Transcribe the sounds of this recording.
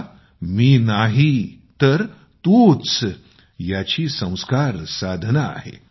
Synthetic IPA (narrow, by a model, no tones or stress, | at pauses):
miːnaɦit̪əɾ | t̪ut͡s | jat͡ɕiːsə̃w̃skaɾsad̪ʱnaa̰ɦḛ